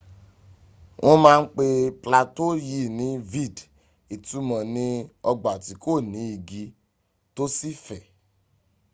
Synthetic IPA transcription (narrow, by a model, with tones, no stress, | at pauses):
wʔõ˦mãː˦˧n̩˦k͡pe˧pla˧to˦ji˨˦˨nĩ˨˦vi˦˨d | i˨tu˨˦mã˨nĩ˦ɔ˧ɡ͡ba˨ti˨˦ko˦˨nĩ˨˦i˨ɡi˧˦ | to˦si˦fɛ˨